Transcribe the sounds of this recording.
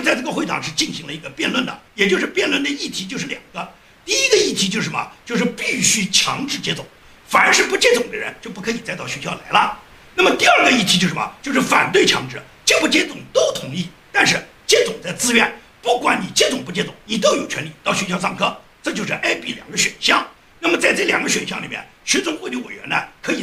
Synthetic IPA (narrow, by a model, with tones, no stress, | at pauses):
t͡sa˥˧ɪʈ͡ʂɤ˥˩ɡə˧xwe˥˩ɪt̪ʰɑ̰˨˩ŋʂɻ̩˥˧t͡ɕi˥˩nɕi˧˥ŋlə˧i˧˥ɡə˧pjɛ˥˧nlwə˥˩nd̪ə̰˩jɛ˨˩t͡ɕjo˥˧ʊʂɻ̩˥˧pjɛ˥˧nlwə˥˩nd̪ə˩i˥˩t̪ʰi˧˥t͡ɕjo˥˧ʊʂɻ̩˥˩ljɑ̰˨˩ŋɡ̥ə˦ | t̪i˥˩i˧˥ɡə˧i˥˩t̪ʰi˧˥t͡ɕjo˥˧ʊʂɻ̩˥˩mə̰˩t͡ɕjo˥˧ʊʂ̬ɻ̩˥˧pi˥˩ɕy˥t͡ɕʰjɑ̰˧˥ŋʈ͡ʂɻ̩˥˩t͡ɕjɛ˥t͡sʊ˨˩˦ŋ | fa˨˩nə˞˧˥ʂɻ̩˥˧pu˧˥t͡ɕjɛ˥t͡sʊ˨˩ŋd̪ə˦ɻə̰˧˥nt͡ɕjo˥˧ʊpu˥˩kʰɤ˧˥i˨˩t͡sa˥˧ɪt̪ɑ˥˩ʊɕɥɛ˧˥ɕjɑ˥˩ʊla̰˧˥ɪlə˧ | na˥˩mə˩t̪i˥˧ə˞˥˩ɡə˩i˥˩i˧˥t͡ɕo˥˧ʊʂ̩˥˩mɐ̰˨˩t͡ɕjo˥˧ʊʂɻ̩˥˩fa̰˨˩nt̪we˥˩ɪt͡ɕʰjɑ̰˧˥ŋʈ͡ʂɻ̩˥˩ | t͡ɕɛ˥˩pu˥˩t͡ɕjɛ˥t͡sʊ˨˩ŋt̪o˥ʊt̪ʰʊ˧˥ŋi˥˩t̪a˥˧nʂɻ̩˥˩ | t͡ɕjɛ˥t͡sʊ˨˩ŋt͡sa˥˧ɪt͡sɹ̩˥ɥɛ˥˩n | pu˥˩kwa˧˥nni˨˩t͡ɕjɛ˥t͡sʊ˨˩ŋpu˧˥t͡ɕjɛ˥t͡sʊ̰˨˧˩ŋni˨˩t̪o˥ʊjo˨˩ʊt͡ɕʰɥɛ˧˥nli˨˩t̪ɑ˥˩ʊɕɥɛ˧˥ɕjs̬ɑ˥˧ŋkʰɤ˥˩ | ʈ͡ʂɤ˥˧t͡ɕjo˥˧ʊʂɻ̩˥˩ʔe˥pi˨˥˩ljɑ̰˨˩ŋɡə˦ɕɥɛ̰˨˩nɕjɑ˥˧ŋ | na˥˩mə˩t͡sa˥˧ɪʈ͡ʂɤ˥˩ljɑ˨˩ŋɡə˧˦ɕɥɛ˨˩nɕjɑ˥˩ŋli˨˩mjɛ̰˥˩nɕɥɛ˧˥t͡sʊ˥ŋxwɔ˥˧˩t̪i˥we˨˩ɪɥɛ̰˧˥nɐ̰˧kʰɤ˧˥i˨˩